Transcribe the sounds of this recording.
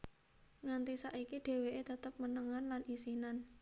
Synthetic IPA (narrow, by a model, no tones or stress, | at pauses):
ŋant̪isaʔikiɖ̥e̤weʔet̪ət̪əp̚mənəŋanlanʔisinan